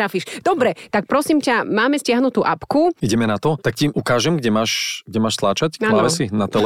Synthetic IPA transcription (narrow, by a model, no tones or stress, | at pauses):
ɾafiʃd̪̥ɔbɾɛt̪ak̚pɾɔsimcamaːmɛscɪaɦnut̪uːʔapkuiɟɛmɛnat̪ɔt̪akciʔukaːʒɛmɡɟɛmaːʃɡ̚ɟɛmaːʃt̪laːt͡ʃaclaʋɛsinat̪ɛl